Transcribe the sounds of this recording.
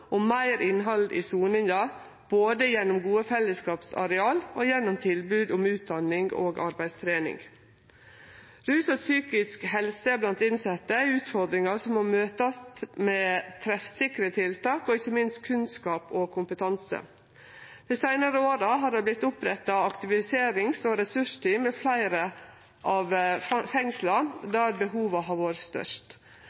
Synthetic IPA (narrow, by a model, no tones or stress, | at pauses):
ʔɔmmæɪɾʔɪnɦɑld̪ḭːsuːnɪŋɑ | b̥oːd̪əjɛnːʊmɡuːəfɛlːəskɑːpsɑ̰ɾɛɑːloːjɛnːʊmt̪ʰɪlbʉːd̪ʊmʉːt̪̚d̪ɑnɪŋɡo̰ːɡʔɑ̰ɾbæɪd̪st̪ʰɾeːnɪ̰ŋ | ɾʉːsɑsyːkɪskhɛlsəblɑnt̪ɪnsɛt̪ːəæɪʉːt̪fɔɾd̪ɾɪŋɑsɔmomøːt̪ɑst̪meːt̪ʰɾɛfsɪkɾət̪ʰɪlt̪ɑːkɔɪçːəmɪnst̪̚kʰʉnskɑːpɔkʰʊmpət̪ʰɑnsə̰ | d̪̥iːsæɪnəɾəoːɾəɦɑɾɑblɪt̪ːʊpɾɛt̪ːɑɑkt̪ɪʋɪseːɾɪŋsɔɾɛsʉʂt̪ʰiːmɛflæɪɾə | ʔɑʋfɛŋslɑd̪æːɾbəɦuːʋɑɦɑːɾʋoːɾəst̪œ̰ʂt̪